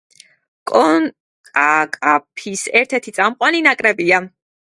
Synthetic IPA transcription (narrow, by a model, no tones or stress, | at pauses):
kʼɔn | kʼakʼapʰisɛɾt̪ʰɛɾt̪ʰit̪sʼamqʼwaninakʼɾɛbia